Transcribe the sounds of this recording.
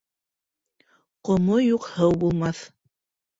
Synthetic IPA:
qŏmojuqhɤwbulˠmɑθ

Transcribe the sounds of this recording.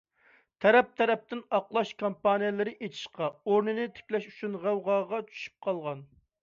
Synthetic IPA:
t̪ʰɛɾɛp̚t̪ʰɛɾɛp̚t̪ɪnɑqlˠɑʃkʰompɑnijɛlˠɪɾɪʔet͡ʃ̪ʰi̥ʃqɑoɾnɨnɪt̪ʰɪ̥kʲlɛʃyt͡ʃʰynʁæwʁɑʁɑt͡ʃʰy̥ʃy̥p̚qʰɑlˠʁɑn

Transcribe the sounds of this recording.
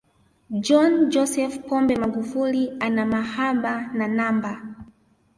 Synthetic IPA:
d͡ʒɔnd͡ʒɔsɛfpɔmbɛmaɡufulianamahaɓananamba

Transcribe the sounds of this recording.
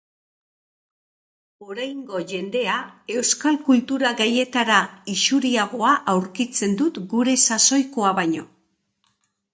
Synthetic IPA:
o̞ɾajŋɡo̞ʝe̞nd̪e̞ae̞wskalkult̪uɾaɣaje̞t̪aɾaiʃuɾiaɣ̞o̞aʔawɾkit͡se̞nd̪ut̪ɡuɾe̞saso̞jko̞aβaɲo̞

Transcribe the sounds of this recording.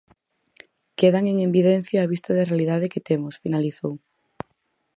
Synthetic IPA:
keðaŋeŋembiðen̟θjaːβ̞ist̪aðɪrealiðað̞ɪkɪt̪emʊsfinaliθow

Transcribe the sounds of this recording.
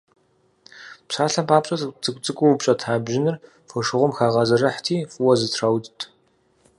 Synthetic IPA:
pɕaːɬɐmpʰaːpʼɕʼɐt͡sʰɨkʷʼt͡sʼɨkʷʼʊwpɕʼɐtʰaːbʒɪnɨr | fɨʂɨʁʷʊmxaːʁɐzɨrɐħtʰiːfʼuwɐzɨtʰrawdtʰʼ

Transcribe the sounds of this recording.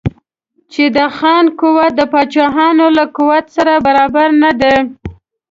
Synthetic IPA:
t͡ʃed̪əxɑnkuwat̪̚d̪əpɑt͡ʃɑɦɑnolakuwat̪saɾabaɾɑbaɾnad̪e

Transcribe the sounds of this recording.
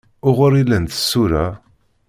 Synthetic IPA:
ʊʁʊɾilənt̪ə̥sːuɾa

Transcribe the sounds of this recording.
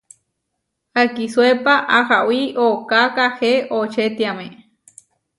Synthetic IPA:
akiswepaʔahawiokakaheʔot͡ʃet̪iamẽ

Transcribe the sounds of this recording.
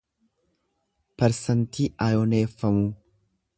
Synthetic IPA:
pɛɾsɐnt̪iːʔɐːjɔneːfːɐmu

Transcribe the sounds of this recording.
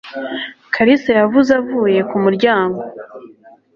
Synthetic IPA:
kʰaɾisajavuzavuːje̞kumuɾɟaːŋɡo̞

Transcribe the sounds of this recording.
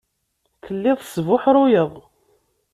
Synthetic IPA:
θəlːɪðˤsvʊħɾˤʊjəðˤ

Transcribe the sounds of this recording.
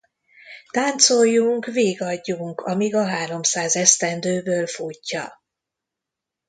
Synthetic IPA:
t̪aːnt̪sojːuŋkveːɡɒɟːuŋkʰɒmiɡɒɦaːɾo̞msaːzɛst̪ɛnd̪øːbøːlfucːɒ̰

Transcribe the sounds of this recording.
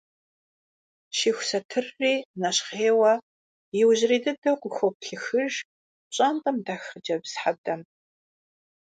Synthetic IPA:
ʃiːxʷsɐtʰɨrːiːnɐɕχeːwɐ | jɪwʑriːdɨdɐqʷʊxʷopɬɨxɨʒ | ɕʼantʼɐmdaːxəd͡ʒɐbz̥ħab̚dɐm

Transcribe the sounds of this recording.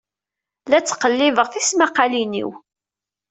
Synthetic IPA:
læt͡sːqəlːɪvəʁθismaqɑlinḭw

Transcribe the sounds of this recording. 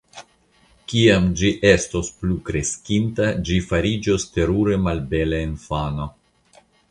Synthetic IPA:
kiamd͡ʒiʔe̞sto̞splukɾe̞skintad͡ʒifaɾid͡ʒo̞ste̞ɾuɾe̞malbe̞leenfano̞

